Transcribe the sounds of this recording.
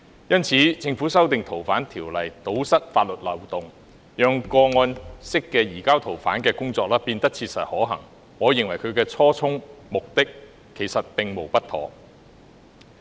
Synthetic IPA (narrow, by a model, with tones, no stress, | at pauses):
jɐ˥nt͡sʰiː˨˥t͡sɪ˧ŋfu˨˥sɐ˥wt̪ɪ˨ŋt̪ʰo˨˩wfaː˨˥nt̪ʰiː˨˩wlɐ˨˩jt̪o˨˥wsɐ˥t̚faː˧t̚lɵ˨t̚lɐ˨˩wt̪ʊ˨ŋ | jœː˨˧ŋkɔː˧ŋɔː˧nsɪ˥kːɛː˧jiː˨˩kaː˥wt̪ʰo˨˩wfa̰ː˨˥nkɛː˧kʊ˥ŋt͡sɔː˧k̚laː˥piː˧nt̪ɐ˥k̚t͡sʰiː˧t̚sɐ̰˨t̚hɔː˨˥ɦɐ̰˨˩ŋ | hɔː˨˥jɪ˨ŋwɐ˨˩jkʰɵ˨˧ɥkɛː˧t͡sʰɔː˥t͡sʰʊ˥ŋmʊ˨k̚t̪ɪ˥kʰː | e˨˩jsɐ˨t̚pɪ˨ŋmo˨˩wpɐ˥t̪̚ʰɔ̰ː˨˥